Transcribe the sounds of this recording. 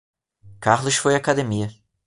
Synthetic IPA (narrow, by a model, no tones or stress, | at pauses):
kaʁlˠuʃfojakad̪emijɐ